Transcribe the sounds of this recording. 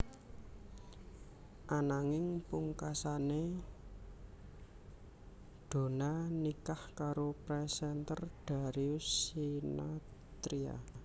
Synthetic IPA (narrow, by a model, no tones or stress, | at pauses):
ʔanaŋɪŋpuŋkasane | d̪̥o̤nanikahkaɾopɾɛsɛnt̪ərɖ̪̥a̤ɾiusinat̪ɾia̰